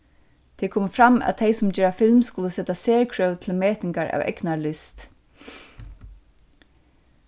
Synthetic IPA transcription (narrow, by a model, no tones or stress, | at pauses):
t̪ʰɛːkʰoːməfɾamæ̰ðt̪ʰejsʊmd͡ʒɛːɾafɪlmskʊləsɛt̪aseːɹjkʰɹœwt̪ʰɪlmeːt̪nɪŋkaɹæ̰ʋɛ̰knalɪst̪